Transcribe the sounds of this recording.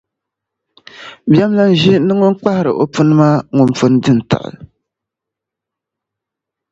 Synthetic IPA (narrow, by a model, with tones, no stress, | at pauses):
ba˦mla˦n˦ʒi˦nɨ˦ŋʊ˦n̩˦k͡pa˦hɪ˨ɾɨ̰˨ʔo˨pu˦nɨ˦maː˦ŋʊ˨mfʊ˦n˦dɨ˦n˨ta̰˨ʔa̰˨l